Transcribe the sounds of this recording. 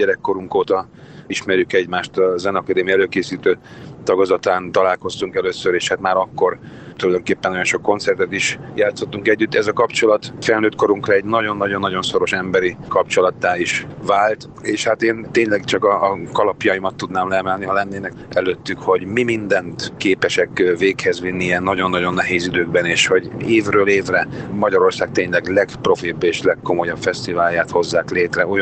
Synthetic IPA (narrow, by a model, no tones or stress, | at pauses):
ɟɛɾɛkːo̞ɾuŋkoːt̪ɒ | iʃmɛɾjykɛɟmaːʃt̪ɒzɛnɒkɒd̪eːmiɛløːkeːsiːt̪øːt̪ɒɡozɒt̪aːnt̪ɒlaːlko̞st̪uŋkɛløːsøɾeːʃhaːt̪maːɾɒkːo̞rt̪ulɒjd̪o̞ŋkeːpːɛnjo̞nʃo̞kːo̞nt̪sɛrt̪ɛt̪iʃjaːt̪so̞t̪ːuŋkɛɟːyt̪ːɛzɒkɒpt͡ʃo̞lɒt̪fɛlnøːt̪̚ko̞ɾuŋkrɒɛɟnɒɟo̞nːɒɟo̞nːɒɟo̞nso̞ɾo̞ʃɛmbɛɾikɒpt͡ʃo̞lɒt̪ːaːiʃvaːlt̪ | eːʃhat̪eːnt̪eːɲlɛɡt͡ʃɒkɒːkɒlɒpjɒjimɒt̪ːud̪naːmlɛɛmɛlniɦɒlɛnːeːnɛkɛløt̪ːykho̞ɟmimind̪ɛnt̪keːpɛʃɛkːveːkhɛzvinːijɛnːɒɟo̞nːɒɟo̞nːɛɦeːzid̪øːɡbɛneːʃho̞ɟeːvrøːleːvrɛmɒɟɒɾo̞rsaːk̚t̪eːɲlɛɡlɛɡpro̞fibːeːʃlɛkːo̞mo̞jɒpfɛst̪ivaːljaːt̪ho̞zːaːkleːt̪rɛoj